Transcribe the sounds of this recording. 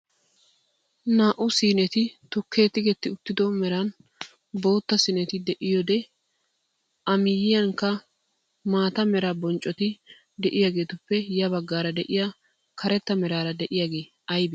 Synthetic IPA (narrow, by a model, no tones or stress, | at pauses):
naːʔʊsiːnɛt̪ɪt̪ʊkʰːeːt̪ːɪɡɛt̪ːɪʊt̪ːɪd̪ɔmɛɾɐn | bo̞ːt̪ːɐsɪnɛt̪ɪd̪ɛʔɪjɔd̪ɛ | ʔɐmɪjɪjɐŋkːɐ | maːt̪ɐmɛɾabɔnt͡ʃʼɔt̪ɪ | d̪ɛʔɪjaɡe̞ːt̪ʊpːɛjɐbɐɡːaːɾɐd̪ɛʔɪja | kʰɐɾɛt̪ːɐmɛɾaːɾɐd̪ɛʔɪjaɡe̞ː | ɐjbɪ